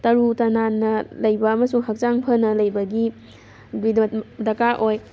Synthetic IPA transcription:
tɐɾutɐnanːɐlɐjbɐːmɐsuŋɦɐk̚t͡ʃaŋpʰɐnɐlɐjbɐɡi | diddɐkaʔoj

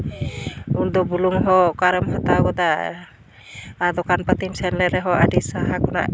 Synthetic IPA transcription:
uɾd̪ɔbuluŋɦɔkaɾəmɦat̪aɡɔd̪a | ad̪ɔkʰanpat̪imsɛnlɛɾɛɦɔʔa̰disaɦakʰɔna̰

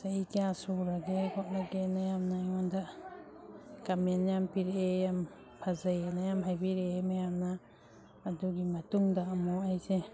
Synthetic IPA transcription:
saikiasuɾaɡekʰɔʔnaɡenajamnaiŋɔndaʔ | kamenjampiɾejam | pʰazajanajamɦajbiɾemajamnaː | duɡimɐtuŋdaːmoajse

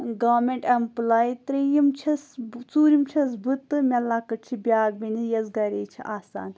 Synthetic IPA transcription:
ɡaːmeɳʈɐmplaːjit̪ɾijimt͡ʃʰɐst͡suːɾimt͡ʃʰɐs̬bɨt̪ːɨmʲɐlːaːkɐʈ̚t͡ʃʰibʲaːɡ̚binijɐzɡɐɾeːt͡ʃʰḭʔaːsa̰ːn

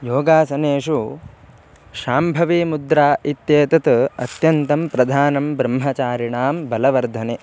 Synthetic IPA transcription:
joːɡaːsɐneːʃu | ʃaːmbʱɐʋiːmud̪ɾaːit̪jeːt̪ɐt̪ɐ̰t̪jɐnt̪ɐmpɾɐd̪ʱaːnɐmbɾɐmɦɐt͡ʃaːɾiɳaːmbɐlɐʋɐɾd̪ʱɐne

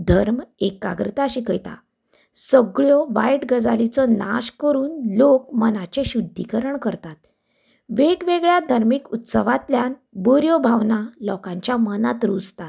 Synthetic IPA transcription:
d̪ʱəɾmekːa̰ɡɾət̪aɕikəjt̪a̰ | səɡɭjɔʋa̰jʈɡəd͡zalit͡sɔna̰ɕkəɾuːnlok̚mənat͡ɕeɕud̪ʱːikəɾəɳkəɾt̪at̪ | ʋeɡʋeɡɭjad̪ʱəɾmikut̪səʋat̪ljanbəɾjɔbʱaʋnalɔkãɲt͡ɕjamənat̪ɾud͡zt̪at̪

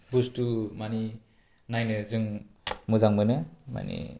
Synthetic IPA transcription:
bustumani | najnɯzɯŋmɯzaŋmɯnɯma̰nḭ

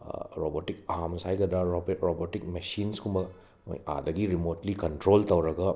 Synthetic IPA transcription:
ɾobotikamsajɡɐd̪ɾaɾobotik̚mesinskumbɐ | mo̰ja̰dɐɡiɾimotlikɐntɾoltɐwɾɐɡɐ

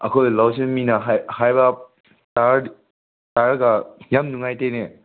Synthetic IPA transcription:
ɐ̰kʰojlawseminaɦahajba | taɾ | taɾɡajamnuŋajtene

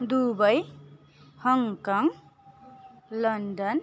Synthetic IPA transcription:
d̪ubəj | hʌŋkaŋ | ləɳɖən

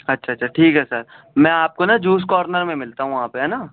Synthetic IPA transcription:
ɐtːʃʰaɐtːʃʰaʈʰiːkɦɛsəɾ | mɛ̃ːaːp̚konad͡ʒuːs̬kɔːɾnəɾmẽmɪlt̪aɦũɐɦãːpeɦɛːna

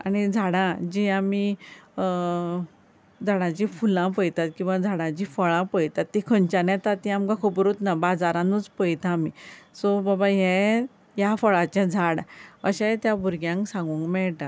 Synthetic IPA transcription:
aɽ̃id͡zʱaɽãd͡ʑiami | d͡zʱaɽãt͡ɕĩfulãpəjt̪at̪̚kĩw̃ʋad͡zʱaɽãt͡ɕifəɭãpəjt̪at̪ːikʰənt͡ɕanɛ̃t̪at̪ːiamkãkʰopɾot̪nabad͡zaɾãnut͡spəjt̪ʰãːmisobabaɦɛ̃ | jafəɭat͡ɕãd͡zʱaɽəɕat̪jãbʱuɾɡjãŋksãŋɡũŋkmɛɭʈa

